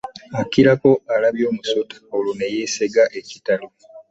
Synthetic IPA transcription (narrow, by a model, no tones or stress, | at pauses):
akiɾako̞alaβjo̞ːmusotḁolunejeseɡaʔeci̥talo